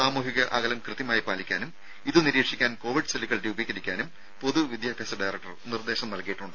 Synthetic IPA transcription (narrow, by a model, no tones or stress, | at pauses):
aːmuːɦiɣɐʔɐɣɐlɐmkrɨðjɐmaːjipaːlikʲːaːnum | iðɨniɾiːkʂikʲːaːnko̞ːʋiɖɨsɐliɣɐɭɾuːubʱikːɐɾikʲːaːnum | po̞ðuʋid̪jaːbʱjɐːsɐɖajrɐk̚ʈɐ̰rnird̪e̞ːɕɐmnɐlkijiʈːuɳɖɨ